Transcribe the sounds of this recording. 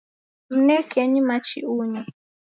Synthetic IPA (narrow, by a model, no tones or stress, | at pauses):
m̩nɛkɛɲimat͡ʃʰḭuːɲi